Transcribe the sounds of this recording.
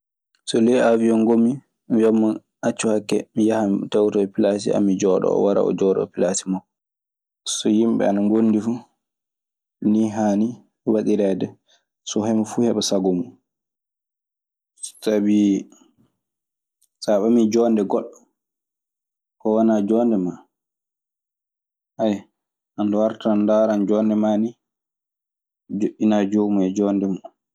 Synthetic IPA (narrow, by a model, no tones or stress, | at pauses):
sɔlɛaviɔŋɡomi | mjamːan | at͡ʃːuhakːɛmijahamtawtɔpilasḭa̰mid͡ʒɔːɗɔ̰ɔ̰waɾa̰ɔ̰d͡ʒɔːɗɔ̰pilasimɔ | sɔjimbɛ̰anaŋɡonːdifu | niɦaːni | waɗiɾɛdɛ | sɔhɛmafuhɛɓasaɡomu | sabi | saɓamid͡ʒɔndɛɡɔɗɔ | kɔwanad͡ʒɔːndɛma | ʔaj | ʔandɔwaɾtaandaɾand͡ʒɔːndɛmani | d͡ʒoʔːinad͡ʒomuɛd͡ʒɔːndɛma